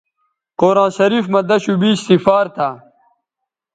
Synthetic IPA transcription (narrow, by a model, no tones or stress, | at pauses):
qoːɾãːnɕɐɾiːfmɐd̪ɐɕubiːɕsifaːɾt̪ʰaː